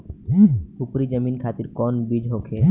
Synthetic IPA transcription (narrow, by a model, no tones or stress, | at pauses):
upɾid͡ʒəminkʰaːt̪iɾkɔːnbid͡ʒɦokʰe